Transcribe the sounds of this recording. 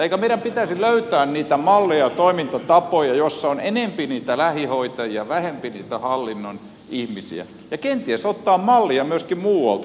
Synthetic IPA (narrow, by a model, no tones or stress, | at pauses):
eikæmeiɾæmpit̪æsiløyt̪æːnniːt̪æmɑlːejɑt̪oimint̪ɑt̪ɑpojɑjosːɑonenempiniːt̪ælæhihoit̪ɑjiɑʋæhempinḭːt̪æhɑlːinːon | ihmisḭæ̰ | jɑkent̪iæsot̪ːɑːmmɑlːiɑmyøskimmuːɑ̰lt̪